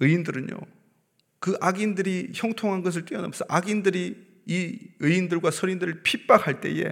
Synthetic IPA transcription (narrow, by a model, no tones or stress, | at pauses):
ɯindɯɾɯɲjo̰ | kɯʔaɡindɯɾiçjʌŋtʰoŋɦanɡʌs̬ʰɯɭt͈wiʌna̰msʰʌʔaɡindɯɾiː | ɯindɯɭɡwasʰʌɾindɯɾɯɭpʰip͈akhaɭt͈e̞̰je̞̰